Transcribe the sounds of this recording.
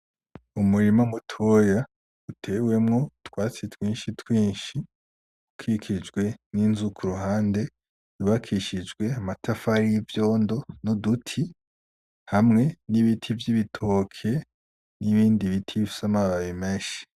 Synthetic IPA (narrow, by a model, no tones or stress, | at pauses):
umuɾimamutʰoja | utʰe̞we̞mŋo̞twaːt͡sitwiːnʃitwiːnʃi | ukʰikʰid͡ʒɡwe̞ninzukʰuɾuɦaːnde̞ | juβakʰiʃid͡ʒɡwe̞amatʰafaɾijivjo̞ːndo̞nudutʰi | hamŋe̞niβitʰivjiβitʰokʰe̞ | niβiːndiβitʰiβifi̥samaβaβimeːʃi̥